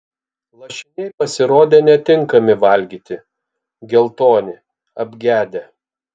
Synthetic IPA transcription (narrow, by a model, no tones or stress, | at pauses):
lˠɐʃʲɪnʲɛɪpɐsʲɪɾoːd̪ʲeːnʲɛt̪ʲɪŋkɐmʲɪʋɐlʲɡʲiːt̪ʲɪ | ɡʲɛlˠt̪oːnʲɪ | ɐbʲɡʲæːd̪ʲe